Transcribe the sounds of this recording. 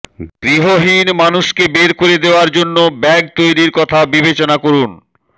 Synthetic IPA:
ɡɾiɦoɦinmanuʃkebeɾkoɾed̪eoaɾd͡ʑonːobɛɡt̪ojɾiɾkɔt̪ʰabibet͡ɕonakoɾun

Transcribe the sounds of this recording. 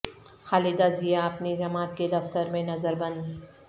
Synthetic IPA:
xaːlɪd̪azijaɐpnid͡ʒɐmaːt̪ked̪ɐft̪əɾmẽnɐzəɾbɐ̃nd̪

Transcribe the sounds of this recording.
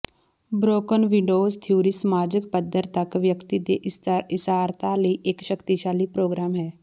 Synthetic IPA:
bɾoːkənʋɪɖoːzt̪ʰjuːɾisəmaːd͡ʒək̚pəd̪ʱːəɾt̪əkʋjəkt̪id̪ḛɪsaːɾt̪aləiʔekʃəkt̪iʃaːlipɾoːɡɾaːmɦɛː

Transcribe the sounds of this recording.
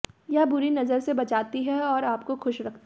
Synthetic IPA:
jabʊɾinɐzəɾsebɐt͡ʃaːt̪iɦɛɔːɾaːp̚koxʊʃɾɐk̚ʰt̪

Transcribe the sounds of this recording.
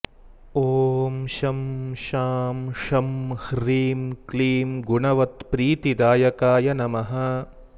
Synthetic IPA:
oːmʃɐmʃaːmʂɐmhɾiːmkliːmɡuɳɐʋɐt̪pɾiːt̪id̪aːjɐkaːjɐnɐmɐɦɐ̆

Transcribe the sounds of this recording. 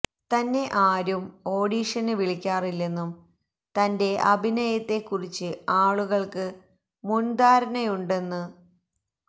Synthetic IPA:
t̪ɐnːe̞ʔaːɾumo̞ːɽiːʂɐnɨʋiɭikʲːaːrilːe̞nːum | t̪ɐnde̞ʔɐbʱinɐjɐt̪ːe̞kːurit͡ɕːɨaːɭuɣɐɭkɨ | mund̪aːɾɐnɐjuɳɖe̞nːɨ

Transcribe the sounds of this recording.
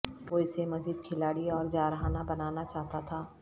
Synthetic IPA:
ʋoɪsemɐziːd̪̚kʰɪlaːɽiɔːɾd͡ʒaːɾɐɦanabɐnaːnat͡ʃaːɦt̪at̪ʰaː

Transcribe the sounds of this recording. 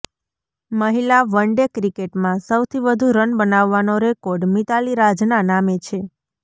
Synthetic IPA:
məɦilaʋəɳɖekɾikeʈmãsəwt̪ʰiʋəd̪ʱuɾənbənaʋːanoɾekoɾɖmit̪aliɾad͡ʒnanamet͡ʃʰe

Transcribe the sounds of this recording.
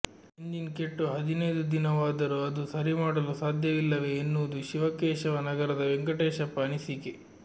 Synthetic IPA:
eɲd͡ʒinkeʈːuɦɐd̪inɐjd̪ud̪inɐʋaːd̪ɐɾuɐd̪usɐɾimaːɽɐlusaːd̪ʱjɐʋilːɐʋe̞ːnːuːd̪uʃiʋɐkeːʃɐʋɐnɐɡɐɾɐd̪ɐʋeŋɡɐʈeːʃɐpːɐːnisike

